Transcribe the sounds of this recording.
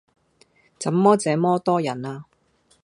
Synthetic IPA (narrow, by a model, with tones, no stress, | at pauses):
t͡sɐ˨˥mːɔː˥t͡sɛː˨˥mɔː˥t̪ɔː˥jɐ˨˩naː˧